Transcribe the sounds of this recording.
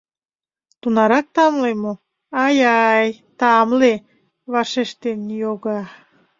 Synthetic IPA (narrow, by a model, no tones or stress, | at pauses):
t̪unɑɾɑk̚t̪ɑmlemo | ɑjɑjt̪ɑmle | βɑʃeʃt̪enjoɣɑ